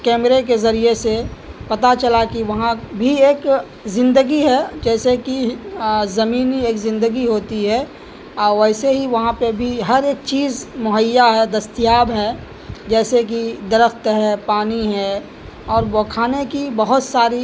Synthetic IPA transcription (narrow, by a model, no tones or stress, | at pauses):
kɛːmɾek̬ezɐɾiesepɐt̪at͡ʃɐlakiʋɐɦãbʱieːk | zɪ̃nd̪əɡiɦɛd͡ʒɛːseki | zɐmiːnieːkzɪ̃nd̪əɡiɦoːt̪iɦɛ | ɔːɾʋɛːseɦiʋɐɦãpebʱiɦɐɾeːk̚t͡ʃiːzmʊɦəjːaɦɛd̪ɐst̪ijaːbɦɛː | d͡ʒɛːsek̬id̪əɾəxt̪ɦɛpaːniɦɛː | ɔːɾbɔːkʰaːnekibəɦʊt̪saːɾi